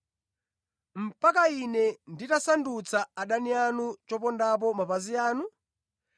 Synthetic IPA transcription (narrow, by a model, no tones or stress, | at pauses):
m̩pakainɛnditasandut͡sʰaaɗanianut͡ʃɔpɔndap̬ɔmapaziaːnu